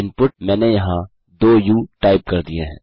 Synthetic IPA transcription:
ɪnpʊʈ̚mɛ̃ːnejɐɦã | d̪oːjuːʈaːɪp̚kɐɾd̪ieɦɛ̃ː

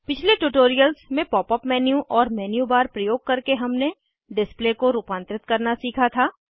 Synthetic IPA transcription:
pɪt͡ʃʰleʈuːʈoːɾijəlsmẽpɔːpɔpmɛːnjũʔɔːɾmɛːnjubaːɾpɾɐjoːɡ̚kɐɾkeɦɐmne | ɖɪsplekoɾuːpãːnt̪ɾɪt̪̚kɐɾnasiːkʰat̪ʰaː

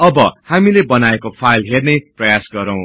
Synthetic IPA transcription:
ʌbʌhamilebʌnaekopʰajlɦerneprʌjasɡʌɾʌ̃w̃

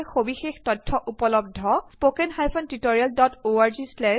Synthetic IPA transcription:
xobixextɔtʰːɔʔupɔlɔb̚dʱːɔspokɛnhajpʰɔntitoɹialdɔtoaɹzislɛ

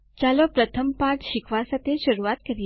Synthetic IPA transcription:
t͡ʃalopɾət̪ʰəmpaɾʈʃɪkʰʋasat̪ʰeʃəɾuat̪kəɾj

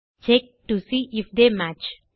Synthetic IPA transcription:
t͡ʃek̚ʈusiːʔɪfd̪eːmæt͡ʃ

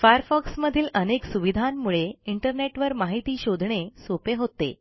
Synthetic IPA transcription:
fajəɾfɔksməd̪ʱiːləneksuʋid̪ʱamːuɭeiɳʈəɾneʈʋəɾmaɦit̪iːɕod̪ʱɳesopeɦot̪ḛ

